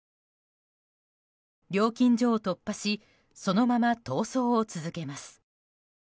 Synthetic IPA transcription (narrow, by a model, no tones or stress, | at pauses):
ɾʲo̞ːkʲĩɲ̟d͡ʑo̞ːt̪o̞pːaɕi | so̞no̞mamat̪o̞ːso̞ːt͡sɨzɨke̞masɨ̥